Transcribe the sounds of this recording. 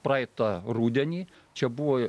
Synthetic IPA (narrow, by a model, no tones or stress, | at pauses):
pɾɑɪt̪ɐruːd̪ʲɛnʲiː | t͡ʃʲɛbuʋoː